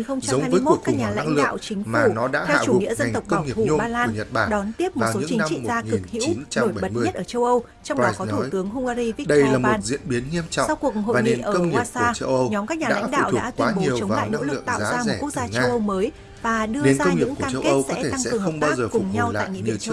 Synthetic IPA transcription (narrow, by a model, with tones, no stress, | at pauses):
nxə˧wŋ͡mt͡ɕa˧ə˨˦wa˧jɨəː˨˦˧kjm˦u˨˩ət̚kːkɲaː˨˩la̰˧˥˧ŋlɨɗ̰a̰ː˧˨wt͡ɕï˨˦ŋ̟maː˨˩nɔ˨˦ɗa̰ː˧˥a̰˧˩˧t͡ɕu˧˨˩ŋḭ˧˥əzə˧˨t̪ə˨˩w̚kɔ˧˩ŋi˨˩fɓaː˧laː˧˨n˩ɲə˨˩t̚ɓaː˧˩ɗɔ˨˦nt̪i˦˥əp̚m˨a˩˨˩so˨ɨ˧˥t͡ɕï˨˩n˧mt͡ɕḭ˧o˨zaː˧ɨ˨˩k̚hḭ˧˥iwnt͡ɕa˧o˧˩jɓə˧ɓə˨˩t̚ɲ˧ə˦˥t̚ʔəː˧˩t͡ɕə˧wʔə˧w | t͡ɕɔ˧wŋ͡mɗɔ˨˧kɔ˨˦t̪ʰu˧˦jt̪ɨ˨˦əŋɦʊ˧ŋ͡mʔaː˧ɾi˧vɗə˧jlaː˨˩mɓmo˨˧˩n̚zḭ˧˥ənɓi˨˦nɲi˧əmt͡ɕɔ̰˧˨sa˧wku˨˩əkho̰ː˧˨˩jɲiḛ˧˨ʔəː˧ə˧wŋi˨˩˧saː˨˩˧t͡ɕə˧wʔə˧wɲɔ˨˦mkaː˦˥k̚ɲaː˨aːa̰˧˥ŋ̟ɗa̰˧˩˧wɗ̰ːt̪wa˨˦ɲ˨ɲi˨˩ət͡ɕə˨˦waːla̰˨˧˨jno̰˧˥lɨ̰˨˧˨ə˨t̪ːzawːza˧mo˨˧˩ku˦˥ək̚zaː˧t͡ɕŋəː˧wʔə˧wməː˨˦j | vaː˨˩ɗɨ˧əne˨˦nzaːkə˧ŋ͡mŋiɨ̰˨˩˧ŋkkaː˧t͡ɕə˧ke˦ʔə˧tw̚sɛ˨˦˧e˧t̪a˧ŋkɛ̰˧ɨ˨əŋxə˧˩wŋ͡mɓaː˧˦zəː˨˩kʊ˨˩ɲɲa˧wtla̰ː˧˨˧ŋḭ˧˨˧